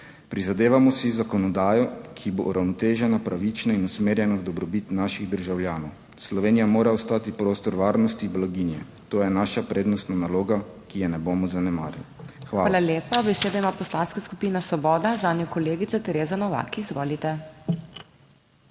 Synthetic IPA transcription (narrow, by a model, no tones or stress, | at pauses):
pɾizad̪eːʋamɔsizakɔnɔd̪aːjɔkʰibo̰ʔuɾawnɔt̪eːʒɛnapɾaʋit͡ʃnainusmeːɾjɛnawd̪ɔbɾɔbit̪naːʃiɣd̪əɾʒawljaːnɔw | slɔʋeːnijamoːɾaɔst̪aːt̪ipɾoːst̪ɔɾʋaːɾnɔst̪iblaɡiːnjɛ | t̪oːjɛnaʃapɾeːd̪nɔst̪nanaloːɡakijɛnɛbomɔzanɛma̰ːɾa̰lixʋaaːlaleːpabɛseːd̪ɔimaːpɔslaːnskaskupiːnasʋɔbɔːd̪azaːnjɔkɔleːɡit̪sat̪ɛɾeːzanɔʋa̰kizʋoːlit̪ɛ